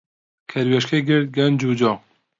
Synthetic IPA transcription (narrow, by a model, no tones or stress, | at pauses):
kʰɛɾwɛʃkʰeɡɪɾt̪̚ɡɛnd͡ʒuːd͡ʒɑː